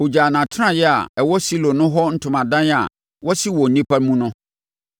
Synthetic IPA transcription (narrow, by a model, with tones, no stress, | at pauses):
ho˨d͡ʑaː˨nã˨tʰʊ˦ɾã˨jɛ˦a̰˨ɛ˨wɔ˦si˦lõ˨nʊ̃˦ɦɔ˦n̩˦tʰʊ̃˨mã˨dã˦n˦a̰˨ | wɔ˦si˦wɔ˨n̩˨˦nĩ˦pʰa˦ɾmũ˦nʊ̃˦